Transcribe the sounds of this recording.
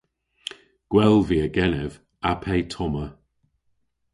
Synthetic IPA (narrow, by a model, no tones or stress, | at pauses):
ɡ̥wɛlˠviːəɡɛnɛv | apʰejtʰɔmə